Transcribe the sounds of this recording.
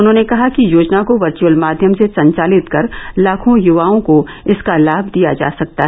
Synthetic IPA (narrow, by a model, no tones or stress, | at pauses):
ʊnɦõːnekɐɦakijoːd͡ʒnakoʋɐɾt͡ʃuəlmaːd̪ʱjəmsesɐ̃ɲt͡ʃaːlɪt̪kɐɾlaːkʰõjʊʋaːõko | ɪskalaːbʱd̪ija̰d͡ʒa̰ːsɐk̚t̪aɦɛ